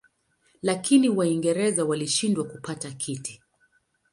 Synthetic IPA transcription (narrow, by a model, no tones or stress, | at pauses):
lakiniwaiŋɡɛɾɛzawaliʃindwakupatakʰiti̥